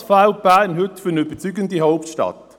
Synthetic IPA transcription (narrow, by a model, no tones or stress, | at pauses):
fawbæːnhʏtfʏnøb̥ət͡syɡəndihaʊp̚tʃtɑ̰t̪